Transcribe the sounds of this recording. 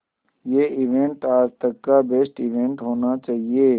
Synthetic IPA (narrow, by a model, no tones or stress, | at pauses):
jeːɪʋẽɳʈaːd͡ʒt̪ɐkːabeːsʈiʋẽɳʈɦoːnat͡ʃaːɦieː